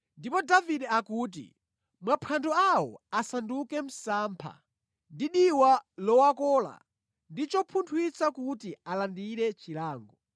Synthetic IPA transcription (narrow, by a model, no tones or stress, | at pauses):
ndipɔdaviɗɛakuːt̬ḭ | mwapʰandɔawɔ̰asandukɛm̩saːmpʰa̰ | ndiɗiwalɔwakɔːla̰ | ndit͡ʃɔpʰuntʰwit͡sakutialandiɾɛt͡ʃilaːŋɡɔ